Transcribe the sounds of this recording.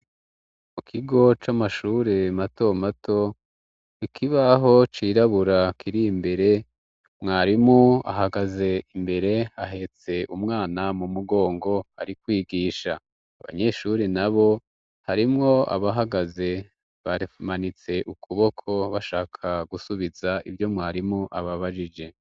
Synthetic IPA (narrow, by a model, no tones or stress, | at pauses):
mukʰiɡo̞t͡ʃamaʃuːɾemato̞matʰo̞ | ikʰiβaɦo̞t͡ʃiːɾaβuɾakʰiɾimbe̞ɾe̞ | mŋaːɾimua̰ɦaɡaze̞imbe̞ɾe̞aɦe̞t͡se̞ʔumŋaːnamumuɡo̞ːŋɡo̞a̰ɾikwiːɡiːʃa̰ː | βa̰ɲe̞ʃuɾinaβo̞ | haɾimŋo̞a̰βaɦaɡaze̞ | βamanit͡se̞ʔukʰuβo̞kʰo̞βaʃaːkʰaɡusuβizaḭvjo̞mŋaːɾimuʔaβaβaʒid͡ʒe̞